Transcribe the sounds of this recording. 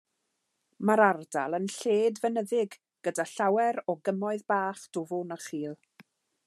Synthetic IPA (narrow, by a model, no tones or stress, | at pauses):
maɾarda̰lˠənɬeːdvənəðɪɡ | ɡ̥ədaɬawɛɾɔɡəmɔɨðbaːχd̥ʊvʊnəχiːlˠ